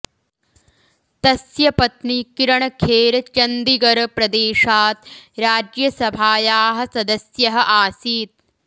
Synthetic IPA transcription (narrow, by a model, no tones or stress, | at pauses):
t̪ɐsjɐpɐt̪nikiɾɐɳɐkʰeːɾɐt͡ʃɐnd̪iɡɐɾɐpɾɐd̪eːʃaːt̪ɾaːd͡ʒjɐsɐbʱaːjaːɦɐ̆sɐd̪ɐsjɐɦɐ̆ʔaːsiːt̪̚